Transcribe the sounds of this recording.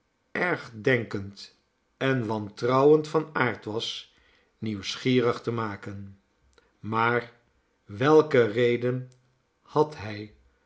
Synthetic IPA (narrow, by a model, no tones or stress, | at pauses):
ʔɛɹχdɛŋkənt | ɛnʋɑntrɑwəntfɑnaːɹtʋɑs | niwsχiːrəχtəmaːkən | maːɹ | ʋɛlˠkərejdən | hɑtɦɛj